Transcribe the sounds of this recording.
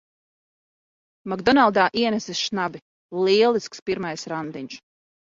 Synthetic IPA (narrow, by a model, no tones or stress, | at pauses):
maɡd̪ɔnalˠd̪aːʔiɛnɛsisʃnabi | lˠiɛlˠiskspiɾmajsɾand̪iɲʲs